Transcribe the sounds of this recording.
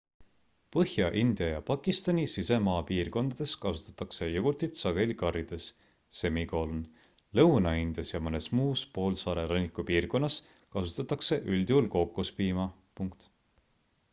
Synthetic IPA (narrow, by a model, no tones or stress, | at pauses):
pɤhjɑʔind̪̥jɑjɑpɑkːˑist̪ɑnʲisise̞mɑːpiːrko̞nd̪̥ɑd̪̥e̞skɑsut̪ˑːɑ̥t̪ːˑɑkse̞joɡ̥urt̪it̪sɑɡ̥e̞likɑrid̪̥e̞sː | e̞miko̞ːlun | lɤwnɑind̪̥jɑsjɑmɤne̞smuːspo̞ːlsɑːɾe̞ɾɑnʲːikˑupiːrko̞nːɑs | kɑsut̪ːˑɑt̪ːˑɑkse̞ʔylʲd̪̥julko̞kːˑuspiːmɑ | puŋkt̪